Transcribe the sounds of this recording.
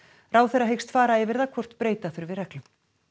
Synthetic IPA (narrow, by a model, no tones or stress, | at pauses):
raːwθɛraɦejxst̪faːɾaɛvɪɾðakʰvɔr̥t̪pɾeːjt̪aθʏɾvɪrɛklʏm